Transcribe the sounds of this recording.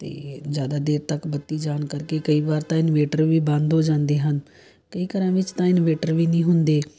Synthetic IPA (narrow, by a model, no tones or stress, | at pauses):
t̪ḛːzjaːd̪aːd̪eːɾt̪əkbət̪ːiːd͡ʒaːnkəɾkeːkəiːʋaːɾt̪ãːɪnʋeːʈəɾʋiːbãːnd̪oːd͡ʒãːnd̪eːɦən | kəiːkəɾãːʋɪt͡ʃt̪ãːɪnʋeːʈəɾʋiːnĩːɦʊnd̪eː